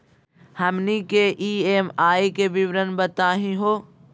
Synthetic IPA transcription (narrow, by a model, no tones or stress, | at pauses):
hɐmnikeʔiːeːmaːikebiʋɾənbət̪aːɦĩɦoː